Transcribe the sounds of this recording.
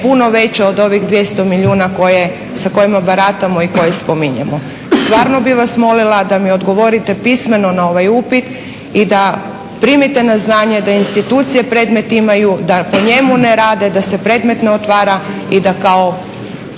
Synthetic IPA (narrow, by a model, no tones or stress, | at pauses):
puno̞ʋe̞t͡ɕeod̪o̞ʋiɣd̪ʋjest̪o̞miʎuːnako̞je | sako̞jimabaɾat̪amo̞iko̞jespomiɲemo | st̪ʋaːɾno̞biʋasmo̞lilˠad̪amio̞d̪ɡo̞ʋo̞ɾit̪e̞pisme̞no̞nao̞ʋajupit̪ | id̪a | pɾimit̪e̞naznaːɲe̞d̪ainst̪it̪uːt̪sije̞pɾe̞d̪me̞t̪imajud̪apo̞ɲe̞muneɾaːd̪e̞d̪ase̞pɾe̞ːd̪me̞t̪neot̪ʋaːɾa | id̪akao